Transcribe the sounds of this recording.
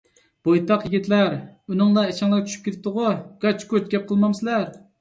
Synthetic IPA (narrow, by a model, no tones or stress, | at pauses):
b̥ojt̪ɑqjiɡʲit̪ʰlæɾunɨŋlˠɑet͡ʃʰɑŋlˠɑɾt͡ʃʲʰy̥ʃy̥p̚kʲeɾʰɪp̚t̪ʊʁʊɡ̥ɑt͡ʃkot͡ʃɡʲɛp̚qʰəlˠmɑmsɪlæɾ